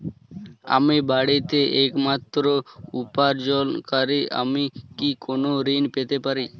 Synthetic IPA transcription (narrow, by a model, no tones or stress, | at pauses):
a̰mibaɽit̪eʔekmat̪ɾoupaɾd͡ʒolkaɾiʔa̰mikikonoɾiːnpet̪epaɾiː